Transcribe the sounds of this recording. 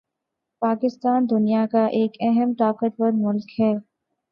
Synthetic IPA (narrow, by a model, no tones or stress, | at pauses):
paːkɪst̪aːnd̪ʊnijakaʔeːkɛɦəmʈaːkəʈ̪wəɾmʊlkɦɛː